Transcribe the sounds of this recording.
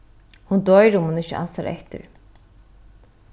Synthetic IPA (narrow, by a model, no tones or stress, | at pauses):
hund̪ɔjɾʊmhunɪçə̰ʔa̰nsaɾɛ̰ht̪ɪ̰ɾ